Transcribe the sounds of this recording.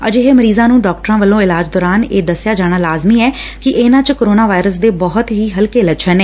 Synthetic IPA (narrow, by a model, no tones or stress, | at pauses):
ə̰d͡ʒeɦeːməɾiːzãːnũːɖɔːk̚ʈəɾãːʋəlːõːɪlaːd͡ʒd̪ɔːɾaːneːd̪əsjaːd͡ʒaːɽ̃aːlaːzmiːɛːkɪʔeːnãːt͡ʃkoɾoːnaːʋaːɪɾəs̬d̪eːbɔɦʊt̪ɦiːɦəlkeːlət͡ʃʰəneː